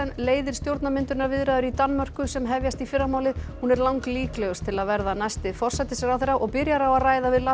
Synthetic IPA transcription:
ɛnleːjðɪɾ̥st̪jowɾt̪namɪnt̪ʏnaɾvɪðɾajðʏɾit̪anːmœr̥kʏsɛmɦɛvjast̪ifɪɾamaːwlɪðhunɛɾlawŋkliːklɛɣʏst̪ʰɪlaðvɛɾðanajst̪ɪfɔr̥sɛt̪ɪsjɛɣawθeɾawʔɔɣpɪɾjaɾawaðraːjðavɪðla

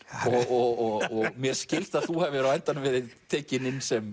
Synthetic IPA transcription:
ɔɣɔɔɣɔɣɣmjɛɾ̥scɪl̥t̪aðθuhɛvɛɾawɛjnt̪anːʏmvɛːɾɪðt̪ʰɛːcɪnɪnːsɛm

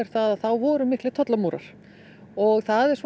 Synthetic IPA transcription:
ɛɾ̥θaðaθawvɔɾʏmɪhklɪt̪ʰɔt̪lamuːɾa̰ɾ̥ | ɔɣθaðɛɾ̥sv

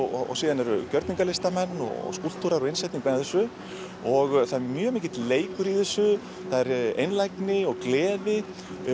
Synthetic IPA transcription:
ɔ̰siːðanɛɾʏ̰cœɾt̪niŋkalɪst̪amɛnːɔ̰ɔ̰skul̥t̪ʰuɾaɾɔɪnsajt̪niŋkvanaθɛsːʏ | ɔɣθaɾmjœːmiːcɪt̪leːjkʏɾiθɛsːʏ | θaðɛɾḛjnlajknɪɔɣklɛːðɪ

